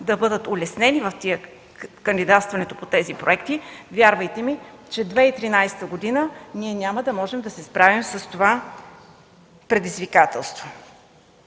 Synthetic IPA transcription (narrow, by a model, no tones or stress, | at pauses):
d̪ɐbɤd̪ət̪ʊlɛsnɛnivɐft̪iə | kənd̪id̪at̪st̪vɐnɛt̪opot̪ɛzipɾoɛkt̪ivʲjaɾvəjt̪ɛmit͡ʃɛd̪vɛit̪ɾinajsɛ̥t̪əɡod̪inəniɛnʲaməd̪ɐmɔʒɛmd̪ɐsɛspɾavimsəst̪ova | pɾɛd̪izvikat̪ɛlˠst̪vo